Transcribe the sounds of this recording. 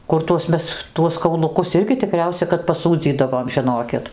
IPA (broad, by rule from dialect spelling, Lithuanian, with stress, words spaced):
ˈkʊr tuɔs ˈmʲɛs ˈtuɔs kɐʊlˠʊˈkʊs ˈɪrʲɡʲɪ tʲɪˈkrʲɛʊsʲɛ kɐt pɐˈsuːd͡zʲiːdɐʋoːm ʒʲɪˈnoːkʲɪt